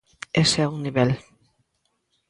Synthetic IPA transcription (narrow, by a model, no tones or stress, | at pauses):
esauŋniβɛl